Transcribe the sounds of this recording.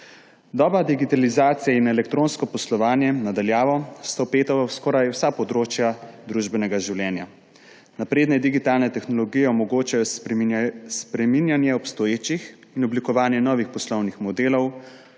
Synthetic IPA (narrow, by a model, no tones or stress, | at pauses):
d̪ɔːbɾad̪iɡit̪alizaːt̪sijainɛlɛk̚t̪ɾoːnskɔpɔslɔʋaːnjɛnad̪aljaːʋɔst̪awpeːt̪ɔaskɔɾajwsapɔd̪ɾoːt͡ʃjad̪ɾuʒbɛnɛɡaʒiwlʲjɛːnja | napɾeːd̪nɛd̪iɡit̪alnɛt̪ɛxnɔlɔɡijɛɔmɔɡoːt͡ʃajɔs | spɾɛminjanjɛɔpst̪ɔjeːt͡ʃix | inɔblikɔʋaːnjɛnɔːʋixpɔslɔwnixmɔd̪eːlɔw